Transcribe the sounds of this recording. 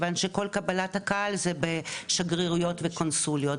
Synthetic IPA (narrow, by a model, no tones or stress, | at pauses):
vanʃeko̞lkabalathakaʔalzebeʃaɡʁiʁujo̞tvekonsuljot